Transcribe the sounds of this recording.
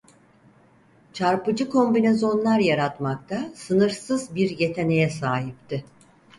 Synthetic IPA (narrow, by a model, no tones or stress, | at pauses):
t͡ʃʰaɾpɯd͡ʒɯkʰo̞mbine̞zo̞nlˠaɾjaɾat̪makt̪ʰasɯnɯɾsɯzbiɾje̞t̪ʰe̞ne̞jɛsaːɦip̚t̪ʰɪ